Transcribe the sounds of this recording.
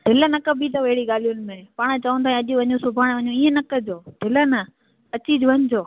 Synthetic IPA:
ɖʱɪlənɐkəbit̪ɐʋɐɦɪɽiɠaːlijʊnɪ̆mẽpaːɽ̃t͡ɕɐʋə̃nt̪ʰãːɐʄũʋɐɲõsʊbʱaːɽ̃ʋɐɲõiːẽnɐkə̆d͡ʑoːɖʱɪlənɐ | ɐt͡ɕiːd͡ʑʊʋɐɲd͡ʑoː

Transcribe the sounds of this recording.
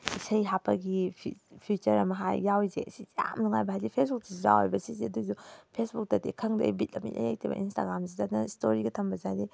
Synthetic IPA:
isɐjɦapʰɐɡipʰipʰut͡ʃɐɾɐmɐɦa̰jːawzḛsizja̰mnuŋajbɐɦajzipʰesbuk̚siziza̰wa̰jbɐsiziɐduzupʰesbuk̚tɐtekʰɐŋdɐ̰ibitlɐmḭlʔa̰ja̰jtʰibɐ̰insta̰ɡɾamzizatnɐstʰoɾiɡɐtʰɐmbɐzadi

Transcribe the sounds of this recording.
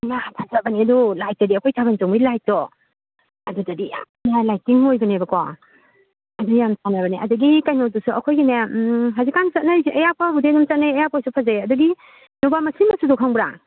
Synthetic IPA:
matʰazabɐniɐdulajt̚dadiɐkʰojtʰabantɔŋmilajt̚dɔ | ɐdutadia̰ | nalajtiŋojbɐnebɐkɔ̰ | ɐdujamsanabɐniʔɐduɡikajnodusuɐkʰojineɦazikːant͡ʃɐt̚najsɐjapɔbudenumt͡ʃɐt̚najɐjapojsupʰazaɐduɡi | nubamɐsimɐsudukʰaŋbɾa̰ŋ

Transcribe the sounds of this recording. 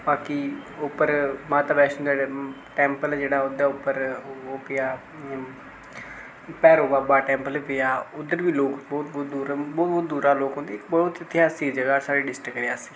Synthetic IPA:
baːkiʊpːəɾmãːt̪aːbɛːʃə̃d̪aː | ʈɛ̃ːmpəlːd͡ʒeːɽaːʊd̪aːʊpːəɾoːpɪaː | pɛːɾoːbaːbaːʈɛ̃ːmpəlpɪaːʊd̪əɾʋiːloːkbɔːt̪bɔːt̪̚d̪uːɾbɔːbɔːt̪̚d̪uːɾaːloːkɦõːnd̪eːkbɔːʊt̪ət̪ɪɦaːsiːd͡ʒəɡaːsaːɾeːɖɪsʈɾəkɾeaːsĩː

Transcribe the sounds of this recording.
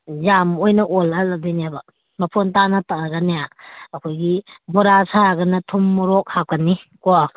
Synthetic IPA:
zamojnɐʔolaladinijabɐ | mɐpʰontanɐtaɡɐnijaːkʰojɡibɔɾasaɡɐnɐtʰumːuɾok̚hap̚kɐnikoa

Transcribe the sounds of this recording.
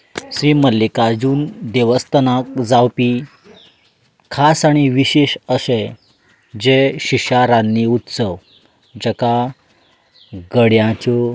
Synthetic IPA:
ɕɾiməlːikad͡ʑuːnd̪eʋəst̪ənakd͡zawpi | kʰasaɽ̃iʋiɕeɕəɕe | d͡ʑeɕiɕaɾanːiut̪səʋ | d͡ʑɛka | ɡəɽjãt͡ɕɔ

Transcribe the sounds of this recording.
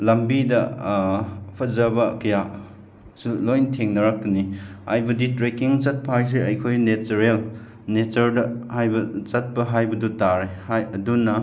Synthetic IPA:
lɐmbidɐ | pʰɐzɐbɐkɐja | sulojntʰeŋnɐɾak̚tunihajbɐditɾekiŋt͡ʃɐt̚pʰajs̬eɐjkʰojnet͡ʃɐɾel | net͡ʃɐɾdɐhajbɐt͡ʃɐt̚pɐɦajbɐdutaɾehajɐdunɐ

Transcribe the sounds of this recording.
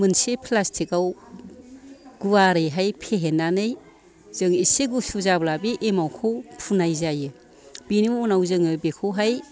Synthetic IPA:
mɯnsepʰlastʰikaw | ɡ̥uwaɾɯjɦajpʰeɦenːanɯj | z̥ɯŋiseɡusuzablabiʔemawkʰɯwpʰunajzajɯ | binimunawzɯŋɯbekʰɯwɦaj

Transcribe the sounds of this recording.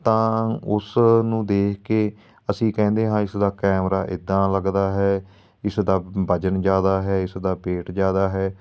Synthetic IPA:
t̪ãːʊsnũːd̪eːkʰkeː | əsĩːkɛ̃ːnd̪eːɦãːɪsd̪aːkɛːmɾa̰ːʔɪ̰d̪ːãːləɡd̪aːɦɛː | ɪsd̪aːbəd͡ʒənd͡ʒaːd̪aːɦɛːɪsd̪aːpeːʈd͡ʒjaːd̪aːɦɛː

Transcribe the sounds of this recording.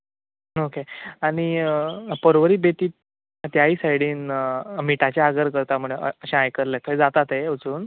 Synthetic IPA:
okeaɽ̃i | pəɾʋəɾiːbet̪iː | t̪jaɦiːsaiɽiːnmiʈat͡ɕaaɡəɾkəɾt̪am̤uɭeəɕãajkəɾlẽk̪ʰəjd͡zat̪at̪eət͡suːn

